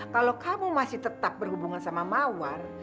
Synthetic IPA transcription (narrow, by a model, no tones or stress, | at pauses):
kalokamumasɪht̪ət̪ap̚bərhubuŋansamamawar